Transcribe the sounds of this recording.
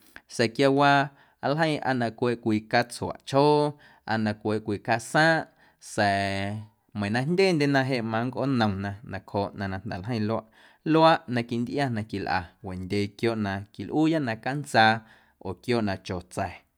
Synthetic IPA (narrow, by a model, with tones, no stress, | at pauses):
sɛ˨kja˧wa˧ | a˧lɦə̃˦j̃ʔa̰˧nã˧kʷe˧ʔkʷiː˧˨ka˦t͡swa̰˨ʔt͡ʃhoː˦ | ʔa̰˧nã˧kʷe˨ʔkʷiː˧˨ka˧sãː˦ʔ | sɛ˨ | mə̃˨nã˧ndʲeː˦˨nd̪ʲe˧˨nã˧ɦe˧ʔmã˧ŋkʔo̰˦nə̃˨w̃nã˧nã˨khoː˧˨ʔnã˧nã˧˨n̥d̪ɛ̰˨lɦə̃˦j̃lo˧˦a˧˦ʔ | lo˦a˦ʔnã˧ki˨nd̪ʔja˦nã˧ki˨lʔa̰˨we˨ndʲe˧kjoː˧˨ʔnã˧ki˨lʔuː˦ja˦ʔnã˧ka˦nt͡saː˧ | o˨kjoː˦ʔnã˧t͡ʃo˨t͡sɛ˨